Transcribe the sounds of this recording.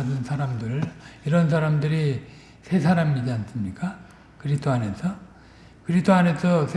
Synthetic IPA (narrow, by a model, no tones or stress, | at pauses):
dɯnsʰaɾamdɯɾɯiɾʌnsʰaɾamdɯɾi | sʰe̞sʰaɾamid͡ʑiansɯmɲik͈a | kɯɾidʰoane̞sʰʌ | kɯɾisdʰoane̞sʰʌsʰ